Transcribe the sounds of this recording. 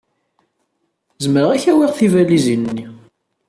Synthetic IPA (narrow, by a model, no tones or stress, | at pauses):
zməɾʁæçæwiʁθivælizinːi